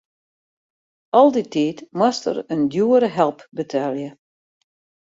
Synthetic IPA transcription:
ɔlˠditiːtmwastə̰ɾəndjuəɾəɦɛlˠpbətʰɛljə

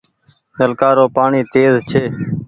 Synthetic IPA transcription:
nəlkaːɾoːpaːɳiːt̪eːzt͡ʃʰeː

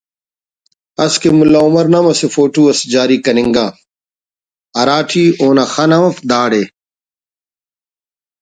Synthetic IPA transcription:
ɐskemʊlaːumɐɾnɐmɐsefoːʈuːɐsd͡ʑaːɾiːkɐnɪŋɡaː | ɐɾaːʈʰiːoːnaxanɐmɐfd̪aːɽeː

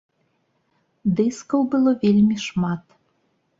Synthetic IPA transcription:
d̪ɨskəwbɨlˠovʲelʲmʲiʃmɑt̪

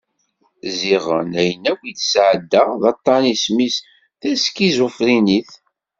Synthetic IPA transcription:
ziʁə̰næjənːækwʷiθsʕəd̪ːəðɑt̪ˤːɑnismis | θæskizʊfɾiniθ

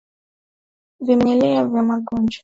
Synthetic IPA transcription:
vimɛlɛavjamaɡɔnd͡ʒa

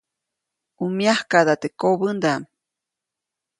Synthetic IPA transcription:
umjahkad̪at̪ekoβɨnd̪am

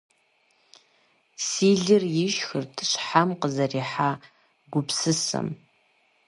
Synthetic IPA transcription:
siːɮɨrjɪʃxɨrtʰɨ̥ɕħamqəzɐriːħaː | ɡʷʊpsɨsɐ̰m

